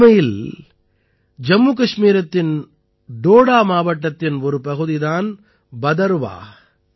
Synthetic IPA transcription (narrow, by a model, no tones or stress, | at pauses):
mɐjɪl | d͡ʒɐmːukɐʂmiːɾɐt̪ːɪn | ɖoːɽaːmaːʋɐʈːɐt̪ːɪnɔɾɯpɐɣɯðɪðaːn | bɐðɐɾʋa̰ː